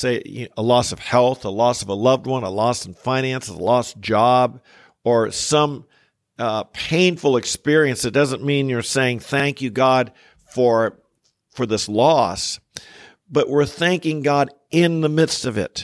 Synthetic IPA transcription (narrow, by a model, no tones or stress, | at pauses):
seɪ̰əlɔsʌv̥hɛlˠθəlɔsʌvəlʌvd̚wʌ̃nəlɔsʌnfãɪ̃næ̃nsəlɔsd͡ʒɑb̚ | ə˞sʌ̃m | pʰẽɪ̃nfl̩ˠɨkspɪɹiɨ̃nsɨt̚d̥ʌzə̃nmĩnjə˞seɪɪ̃ŋθæ̃ŋkjɨɡɑd̥ | fə˞ | fə˞ðɪslɔs | b̥ʌʔwɪɹθæ̃ŋkɪ̃ŋɡɑɾ | ʔɪ̃nðəmɪd̥stʌvɪ̰t̚